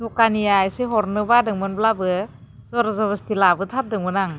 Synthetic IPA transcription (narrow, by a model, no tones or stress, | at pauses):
tɔkanijajseɦɔɾnɯbadɯŋmɯnblabɯzɔɾɔzɔβɔstilabɯtʰap̚dɯŋmɯnaŋ